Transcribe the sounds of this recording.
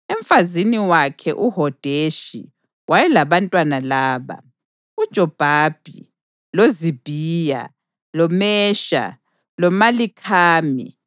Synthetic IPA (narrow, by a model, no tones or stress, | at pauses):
ɛɱfaziniwakʰɛ̰ʔuɦɔd̥ʱeʃḭ | wajɛlaβantʼwanalaːβa̰ | ud̥ʒ̥ʱɔb̥ʱaːb̥ʱi | lozib̥ʱiːja̰ | lɔmɛːʃa̰ | lɔmalikʰaːmḭ